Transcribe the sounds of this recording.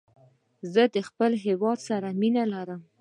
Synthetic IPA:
zəd̪əxpəlɦewɑd̪saɾaminalaɾəm

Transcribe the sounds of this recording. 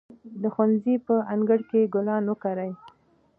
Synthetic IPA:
d̪əxwanzipəaŋɡəɽkeɡʊlɑnwəkaɾaj

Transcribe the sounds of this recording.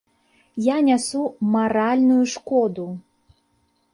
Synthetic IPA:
janʲasumaɾalʲnujuʂkɔd̪u

